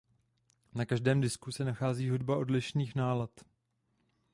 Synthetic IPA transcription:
nakaʒdɛːmdɪskusɛnaxaːziːɦudbaʔo̞dlɪʃniːxnaːlat̪

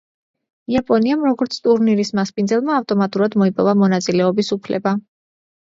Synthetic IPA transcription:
iapʼɔniamɾɔɡɔɾt̪sʰt̪ʼuɾniɾismaspʼind̪zɛlˠmaːft̪ʼɔmat̪ʼuɾad̪mɔipʼɔvamɔnat̪sʼilɛɔbisupʰlɛ̰ba

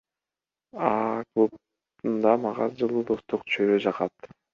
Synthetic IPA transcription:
ɑklˠup̚ | t̪und̪ɑmɑʁɑzd͡ʒɯlˠud̪ost̪uqt͡ʃʰøɾød͡ʒɑqɑt̪

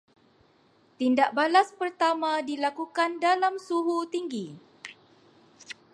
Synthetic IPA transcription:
t̪indaʔ̚balaspərt̪amãdilakukandalamsuɦut̪iŋɡi

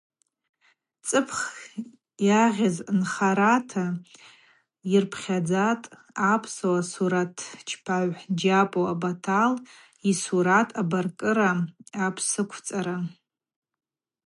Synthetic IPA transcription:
t͡sʼɨpʰχ | jaʁʲaznχaɾatʰa | irpʰχʲad͡zatʼ | apʰsowasuɾatʰt͡ʃʰpʰaʕʷd͡ʒapʼoabatʰal | isuɾatʰʼabarkʼɨɾaapʰsɨkʷʰt͡sʼaɾa

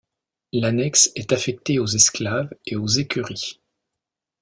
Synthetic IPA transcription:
lanɛksɛt̪afɛk̚t̪eozɛsklaveozekʲyʁi

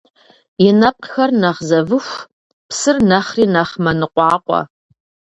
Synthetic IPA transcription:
jɪnɐp̚ʼqxɐrnɐʁzɐvɨxʷ | psɨrnɐχriːnɐχmɐnɨqʷʼɑːqʷʼɔ̰

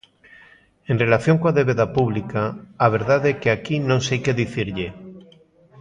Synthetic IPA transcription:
enrelaθjoŋkoaðeβeðapuβ̞likaːβ̞eɾðaðekeakinõŋsejkeðiθiɾʎe

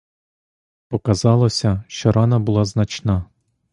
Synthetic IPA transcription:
pɔkɐzɑlˠɔsʲɐʃt͡ʃɔɾɑnɐbʊlˠɑznɐt͡ʃnɑ

